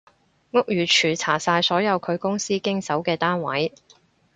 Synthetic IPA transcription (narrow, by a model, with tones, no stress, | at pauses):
ŋʊ˥k̚jyː˨˩t͡ʃʰyː˨˩t͡sʰaː˨˩saː˧jsɔː˨˥jɐ˨˧wkʰɵ˨˧ɥkʊ˥ŋsiː˥kɪ˥ŋsɐ˨˥wkɛː˧t̪aː˥nwɐ̰˨˥j